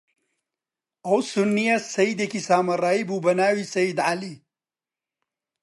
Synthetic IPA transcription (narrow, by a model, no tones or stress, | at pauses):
ɐwsunːijasɐjid̪ekisaːmɐɾaːibuːbɐnaːwisɐjid̪ʕali